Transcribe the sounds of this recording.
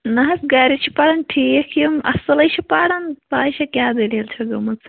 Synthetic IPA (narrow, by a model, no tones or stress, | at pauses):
nɐɦɐsɡaːɾit͡ʃʰi̥paːɽɐnʈʰikʰjɐmɐ̰sɐlɐjt͡ʃʰipaːɽɐnpaːiʃɐkʲaːd̪ɐljɐlt͡ʃʰɐɡɐmɐt͡sʰ